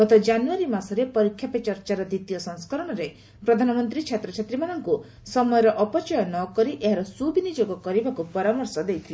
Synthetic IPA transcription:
ɡɔt̪ɔd͡ʒanuaɾimasɔɾepɔɾikʰːjapet͡ʃɔɾt͡ʃaɾɔd̪it̪ijɔsɔŋskɔɾɔɽ̃ɔɾe | pɾɔd̪ʱanɔmɔnt̪ɾit͡ʃʰet̪ɾɔt͡ʃʰet̪ɾimanɔŋku | sɔmɔjɔɾɔʔɔpɔt͡ʃɔjɔnɔkɔɾiʔeɦaɾɔsubinid͡ʒoɡɔkɔɾibakupɔɾamɔɾsɔd̪ejt̪ʰili

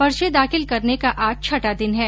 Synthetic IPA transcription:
pɐɾʃed̪aːxɪlkɐɾnekaʔaːd͡ʒ̚t͡ʃʰɐʈad̪ɪnɦɛː

